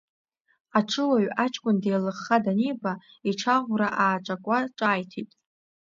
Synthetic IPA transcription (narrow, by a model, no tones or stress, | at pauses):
aʈ͡ʂʰɨwaɥat͡ʃʰʼkʷʼʊndejlɨχːadaniba | iʈ͡ʂʰaʁʷraʔaːʈ͡ʂʼakʷʼaʈ͡ʂʼaːjtʰitʼ